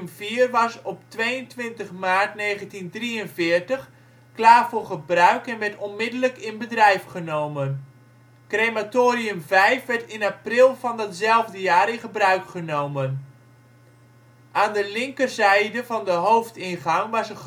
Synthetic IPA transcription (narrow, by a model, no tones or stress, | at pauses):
mv̥iːrʋɑsɔptʋejəntʋɪntəχmaːɹtnejχəntindriənvɪːɹtəχ | klaːɹvʊːɹχəbrœɥkɛnʋɛɹtɔnmɪdələkɪnbədrɛjfχənowmən | krematoːɾiɵmvɛjfʋɛɹtɪnaprɪlˠvɑndɑtzɛlˠvdəjaːɾɪnχəbrœɥkχənowmən | ʔaːndəlɪŋkərzɛjdəvɑndəɦowftɪnχɑŋʋɑsə